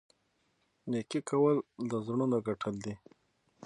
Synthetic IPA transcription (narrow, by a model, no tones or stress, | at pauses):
nekikawəld̪əzɳunoɡaʈʰəld̪i